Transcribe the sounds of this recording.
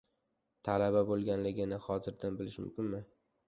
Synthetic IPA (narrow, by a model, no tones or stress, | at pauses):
t̪ʰalababolˠɡʲanlɪɡʲɪnɪhɒzɪɾd̪anbɪlɪʃmʊ̰mkʲɪnmɪ